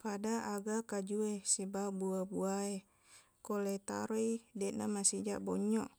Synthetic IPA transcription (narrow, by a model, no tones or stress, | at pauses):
padaaɡakad͡ʒuesibabuabuae | kolet̪a̰ɾoidet̪̚na̰masid͡ʒa̰ʔboɲɔʔ